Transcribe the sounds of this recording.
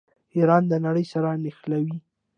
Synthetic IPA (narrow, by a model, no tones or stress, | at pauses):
iɾɑnd̪ənaɽəjsaɾanɪxlawi